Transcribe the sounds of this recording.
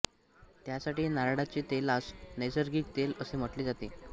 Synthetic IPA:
t̪jasaʈiːnaɾaɽat͡ɕit̪elasnejsəɾɡiːk̚t̪eləsem̤əʈliːd͡zat̪e

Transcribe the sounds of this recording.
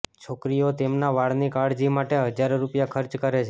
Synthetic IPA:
t͡ʃʰokɾijot̪emnaʋaɭnikaɽd͡ʒimaʈeɦəd͡ʒaɾɾupjakʰəɾt͡ʃkəɾet͡ʃʰe

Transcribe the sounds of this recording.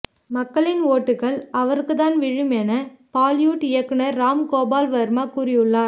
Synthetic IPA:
mɐkːɐɭɪnoːʈːɯɣɐɭɐʋɐɾɯkːɯt̪aːnʋɪɻɯmɛnɐpaːljuːʈɪjɐkːɯnɐɾaːmkoːbaːlʋɐɾmaːkuːɾɪjɯɭːaːɾ

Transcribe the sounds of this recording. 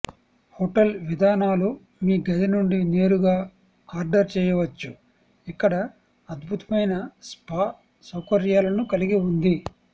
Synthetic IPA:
hoːʈɐlʋid̪ʱaːnaːlu | miːɡɐd̪inuɳɖine̞ːɾuɡaː | aːɾɖɐɾt͡ʃɛːjɐʋɐt͡ʃːu | ikːɐɽɐ | ɐd̪bʱut̪ɐ̥mɐjnɐspaː | sɐwkɐɾjaːlɐnukɐliɡiund̪i

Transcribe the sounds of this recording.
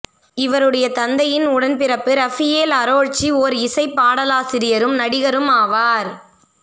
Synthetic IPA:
ɪʋɐɾɯɽɐjɐt̪ɐnd̪ɐjɪnʊɽɐnpɪɾɐpːɯɾɐfɪeːlɐɾoːɻt͡ʃːioːɾɪsɐɪpːaːɽɐlaːsɪɾɪjɐɾɯmnɐɽɪɣɐɾɯmaːʋaːɾ

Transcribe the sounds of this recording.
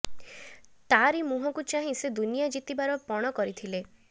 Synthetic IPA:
t̪aɾimuɦɔkut͡ʃaɦĩsed̪unijad͡ʒit̪ibaɾɔpɔɽ̃ɔkɔɾit̪ʰile

